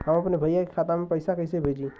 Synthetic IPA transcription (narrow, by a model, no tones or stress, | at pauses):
ɦəmɐpnebʱəjake̥kʰaːt̪amẽpəɪsakəɪsebʱeːd͡ʒĩ